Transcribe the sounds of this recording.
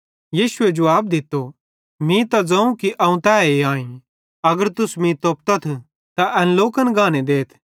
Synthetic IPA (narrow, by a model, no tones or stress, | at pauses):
jiːsʊed͡ʒɐʋaːb̚d̪ɪt̪ːo | mĩt̪ad͡zɐ̃ũkiʔɐũt̪ɛːeãːĩ | ɐɡəɾt̪ʊsmĩt̪oːp̚t̪ɐt̪ʰ | t̪aʔɛnloːkənɡʱaːned̪eːt̪ʰ